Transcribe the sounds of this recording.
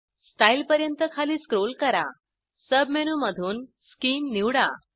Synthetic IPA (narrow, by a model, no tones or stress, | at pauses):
sʈailpəɾjənt̪əkʰaliːskɾolkəɾa̰ | səb̚meñuməd̪ʱuːnskiːmːiwɽa